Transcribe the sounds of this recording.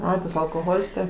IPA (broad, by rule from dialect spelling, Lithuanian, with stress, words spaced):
ˈɐɪ tɐs ɐlˠkoːˈɣoːlʲɪs tɐɪ